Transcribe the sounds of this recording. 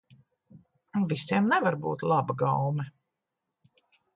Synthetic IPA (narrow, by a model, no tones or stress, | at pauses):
nuvist̪ʲiɛmnɛvaɾbuːt̪lˠabaɡawmɛ